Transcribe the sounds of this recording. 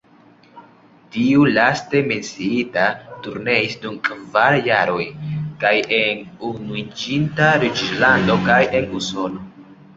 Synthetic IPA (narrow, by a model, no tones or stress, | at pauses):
tiulaste̞me̞nsiitatuɾne̞isdumkʼvaɾjaɾo̞jkajenunuid͡ʒintaɾit͡ʃlando̞kaje̞nuso̞no̞